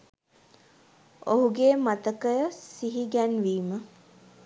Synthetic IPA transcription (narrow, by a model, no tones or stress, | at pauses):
oɦuɡeːmat̪əkəjəsiɦiɡænʋiːmə